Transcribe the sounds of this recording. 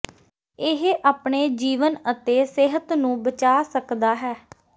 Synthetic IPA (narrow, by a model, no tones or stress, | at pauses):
ɪɦʔaːpɳeːd͡ʒiːʋənət̪eːsɪɦət̪nũːbət͡ʃaːsəkd̪aːɦɛː